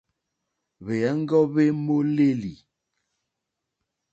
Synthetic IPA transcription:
βe˨ɛ˦ŋ̩˦ɡɔ˦βe˦mo˦le˦li˨

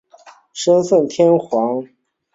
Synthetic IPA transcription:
ʂə˥nsə˥˩nt̪ʰjɛ˥nxwɑ˧˥ŋ

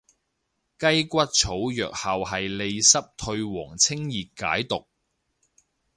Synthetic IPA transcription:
kɐ˥jkʷɐ˥t̚t͡sʰo˨˥wjœ̰ː˨k̚hɐ˨wɦɐ˨jle˧jsɐ˥p̚t̪ʰɵ˧ɥwɔː˨˩ŋt͡sʰɪ˥ŋjiː˨tka̰ː˨˥jt̪ʊ˨k̚

